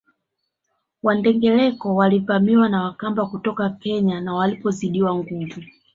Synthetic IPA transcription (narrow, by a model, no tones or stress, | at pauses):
wandɛŋɡɛlɛkɔwalivamiwanawakambakutɔkakɛɲanawalipɔziɗiwaŋɡuvu